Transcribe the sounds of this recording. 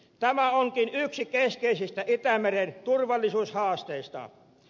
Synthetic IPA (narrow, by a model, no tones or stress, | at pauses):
t̪æmæoŋkinyksikeskeisist̪æʔit̪æmerent̪urʋɑlːisuːshɑːst̪eist̪ɑ̰